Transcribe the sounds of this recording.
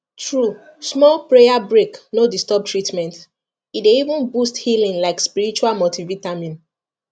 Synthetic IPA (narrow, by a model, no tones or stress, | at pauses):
tʰɹu | smɔlpɹejabɹeknodistɔb̚tɹitmɛ̃nt | ideivũnbusthilĩnlaɪkspiɹit͡ʃualmotʰivitamĩn